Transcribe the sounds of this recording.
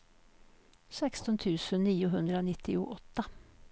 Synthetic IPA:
sɛkst̪ɔnt̪ʰʉːsənniːʊɦɵnd̪ɾəoːnɪt̪ʰːɪʊ̰ʔɔt̪ːa

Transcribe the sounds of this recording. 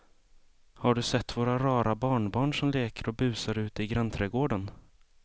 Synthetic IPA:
haɖɵsɛt̪ːvoːɾaɾɑːɾabɑːɳbɑːɳʂɔmleːkəɾɔbʉ̟ːsaɾʉ̟ːt̪ɪɡɾant̪ʰɾɛːɡoːɖən

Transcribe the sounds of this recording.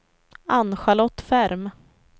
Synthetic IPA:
anɧalɔt̪ːfæɾm

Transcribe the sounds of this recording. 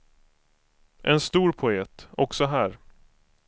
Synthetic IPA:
ʔɛnst̪uːɾpʰʊeːt̪ɔksɔɦæːɾ

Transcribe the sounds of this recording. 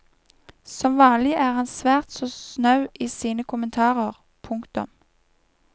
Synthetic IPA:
sɔmʋɑːnlɪʔæːʁhɑnsʋæːʁt̪soːsnɑʉʔiːsiːnəkʰʊmənt̪ʰɑːʁəʁ | pʰʊŋkt̪ʊ̰m

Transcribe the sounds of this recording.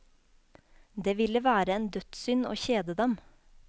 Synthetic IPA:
d̪eːʋɪləʋæːɾəeːnd̪œt̪sʏno̰ːçeːd̪əd̪ɛm

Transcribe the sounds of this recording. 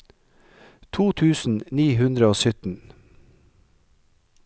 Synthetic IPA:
t̪ʰuːt̪ʰʉːsn̩niːɦʉnd̪ɾəoːsʏt̪n̩

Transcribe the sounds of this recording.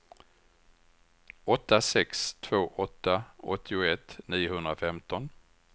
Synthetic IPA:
ɔt̪ːasɛkst̪ʰv̥oːʔɔt̪ːaɔ̰t̪ʰːɪʊɛt̪niːʊhɵnd̪ɾafɛmt̪ɔn

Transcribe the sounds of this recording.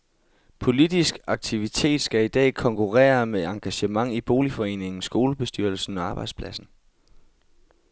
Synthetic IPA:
pʰo̝lid̥isɡ̥ɑ̈ɡ̥̚t͡sʰiʋit͡sʰe̝̰ːd̥sɡ̥æid̥ɛ̰ːkʰɒ̽ŋkʰuʁɛ̰ːɐmeɑ̈ŋɡ̥æɕəmɑ̈ŋib̥o̝ːlifɒ̽e̝̰ːne̝ŋn̩sɡ̥o̝ːləb̥e̝sd̥yɐl̩sn̩ɒ̽ɑ̈ːb̥ɑ̈ɪd̥spʰlæsn̩

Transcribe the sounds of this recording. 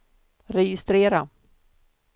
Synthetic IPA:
ɾɛjɪst̪ɾeːɾa

